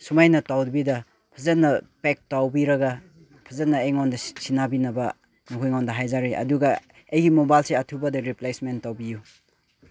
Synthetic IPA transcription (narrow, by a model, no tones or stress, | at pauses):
sumajnɐtawdbidɐ | pʰɐzɐnːɐpek̚tawbiɾɐɡɐ | pʰɐzɐnːɐejŋondɐsinabinɐbɐ | nukʰujŋɔndɐɦajzaɾiʔɐ̰duɡɐ | ejɡimobajlseɐtʰubɐdɐɾiplejsmentːawbiju